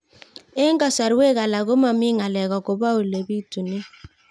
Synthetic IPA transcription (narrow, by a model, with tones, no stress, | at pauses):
e˦ŋ˦ɡa˨sa˨ɾwe˦ɣa˨la˨ɣo˦ma˨mi˦ŋa˨lɛ˨ɣɔ˨ko˨ba˦o˨le˨bi˦tu˨ni˦